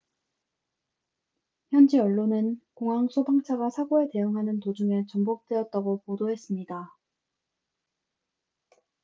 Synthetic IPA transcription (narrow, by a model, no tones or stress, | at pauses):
çjʌnd͡ʑiʌɭːonɯnkoŋɦaŋsʰobaŋt͡ɕʰaɡasʰaɡoete̞joŋɦanɯntod͡ʑuŋe̞t͡ɕʌmbok̚t͈eʌt̚t͈aɡopodoɦe̞s͈ɯmɲida